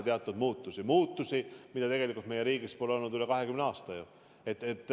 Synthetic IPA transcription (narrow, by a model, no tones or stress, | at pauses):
t̪eɑt̪ːˑud̪muːt̪ːˑusimuːt̪ːˑusimid̥̪ɑt̪e̞ɡ̥e̞likult̪me̞je̞ɾiːɡispo̞leonːud̪yle̞kɑɦe̞kymneɑːst̪ɑju | et̪ːet̪ˑː